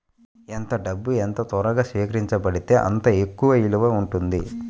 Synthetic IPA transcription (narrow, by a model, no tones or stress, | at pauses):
ent̪ɐɖɐbːuent̪ɐt̪ɔɾɐɡaːsʋiːkɐɾiɲt͡ʃɐbɐɽit̪e̞ːʔɐ̰nt̪ɐekːuʋɐiluʋɐuɳʈund̪i